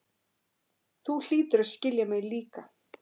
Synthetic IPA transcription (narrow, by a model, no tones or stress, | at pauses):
θul̥iːt̪ʏɾaðscɪljamɛɣliːka